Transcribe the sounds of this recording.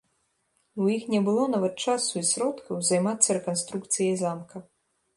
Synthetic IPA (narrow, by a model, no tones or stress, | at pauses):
wjixnʲɛbɨlˠɔnavɐt̪̚t͡ʂasuisɾɔt̪kɐwzajmat̪sːɐɾɛkanst̪ɾukt̪sɨjɐjzamkɐ